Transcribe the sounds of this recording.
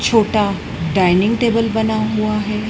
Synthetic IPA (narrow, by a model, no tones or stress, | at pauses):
t͡ʃʰoːʈa | ɖaːɪnɪ̃ŋɡʈeːbəlbɐnaɦuaɦɛː